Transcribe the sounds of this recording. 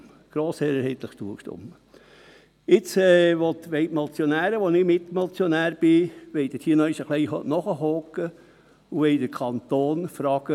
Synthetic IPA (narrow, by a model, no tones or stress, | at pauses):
ɡ̥ɾoːseːɾəɾheːt̪ləχtuəkʃtʊ̰mə | ɪt͡sɛːʋɔt̪ʋeɪtmɔt͡sjonæːɾəʋonɪmɪt̪mɔt͡sjonæːɾb̥ɪʋɛjt̪əthiənœiʃəχlejhnɔχəɦoːkːə | uʋɛɪd̪əɾkʰɑnt̪oːnfɾɑːɡ̥ə